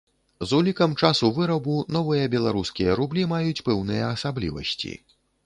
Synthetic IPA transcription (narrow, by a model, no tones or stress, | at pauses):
zulʲikɐmt͡ʂasuvɨɾɐbunɔvɨjɐbʲɛlˠaɾuskʲijɐɾublʲimajut͡sʲpɛwnɨjɐːsablʲḭvɐ̰sʲt͡sʲḭ